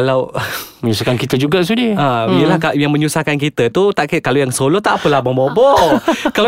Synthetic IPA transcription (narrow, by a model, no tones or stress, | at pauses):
alawməɲusakankit̪əd͡ʒuɡas̬udiəaijəlahkajaŋmə̃ɲusahkankit̪ət̪ut̪aʔkəkalojaŋsolɔt̪aʔpəlahbabobɔkal